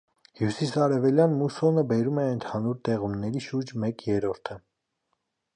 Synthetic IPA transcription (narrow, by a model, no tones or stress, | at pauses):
hjusisɑɾɛvɛljɑnmusɔnəbɛɾumɛənt̪ʰɑnuɾt̪ɛʁumnɛɾiʃuɾd͡ʒmɛkjɛɾɔɾt̪ʰə